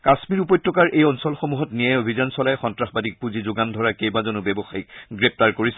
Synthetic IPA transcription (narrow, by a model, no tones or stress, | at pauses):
kasmiɹup̬ɔjtːɔkaɹʔejɔnsɔlxomuɦɔtniajobʱizansɔlajxɔntɹaxbadik̚puzizʊɡandʱɔɹakejbazɔnʊbɛbɔxajik̚ɡɹep̚taɹkoɹis